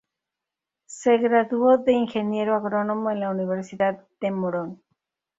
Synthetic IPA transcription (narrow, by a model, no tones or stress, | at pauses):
se̞ɣɾaðuoðe̞iŋxe̞nje̞ɾoaɣɾo̞no̞moenlauniβ̞e̞ɾsiðaðd̪e̞moɾon